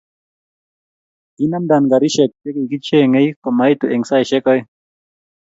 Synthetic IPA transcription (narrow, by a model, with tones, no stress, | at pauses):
i˦na˦mda˨nɡa˨ɾi˦ʃɛ˨k̚te˦ki˨ki˦t͡ʃe˦˨ŋe˦jko˨ma˨˦jt̪u˨ʔe˨ŋsa˦jʃɛ˦kɔ˦j